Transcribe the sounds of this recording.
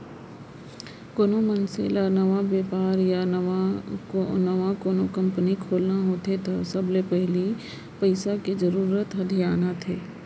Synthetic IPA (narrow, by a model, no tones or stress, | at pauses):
koːnomənsḛːlanɐʋabeːpaːɾjanaonɐʋãkoːnokɐ̃mpənikʰoːlnaɦoːt̪et̪ʰasɐblepɛɦli | pɐɪsaked͡ʒɐɾuːɾət̪ɦɐd̪ʱijaːnat̪ʰeː